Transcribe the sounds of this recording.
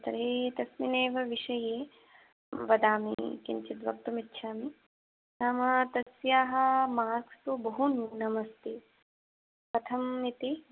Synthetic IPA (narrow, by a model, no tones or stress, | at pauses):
t̪ɐɾeːt̪ɐsmineːʋɐʋiʃɐjeː | ʋɐd̪aːmḭkḭɲt͡ʃit̪ʋɐk̚t̪ɐmitːʃʰaːmi | naːmɐt̪ɐsjaːɦɐ̆maːɾkʰsubɐɦunnɐmɐst̪eː | pɾɐt̪ʰɐmːit̪i